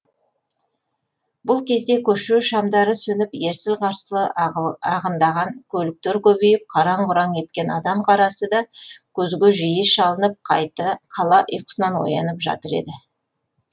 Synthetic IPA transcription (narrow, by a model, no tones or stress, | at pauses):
bʊlˠkʲʰe̞zd̪e̞kʲʰɵʃuʃɑmd̪ɑɾəsɵnɪpje̞ɾsɪzqʰɑɾsəlˠəɑʁənd̪ɑʁɑŋkʲʰɵlɪk̚t̪eɾkʲɵbejɪp̚qʰɑɾɑɴqʊɾɑŋe̞t̪̚kʲe̞nɑ̰d̪ɑmqʰɑɾɑsəd̪ɑkʲʰɵzɡʲeʒijeʃɑlˠənəp̚qɑt̪qʰɑlˠɑʔə̰jqə̥sənɑnwo̞̰jɑ̰nəpʒɑ̰t̪əɾe̞̰d̪ɪ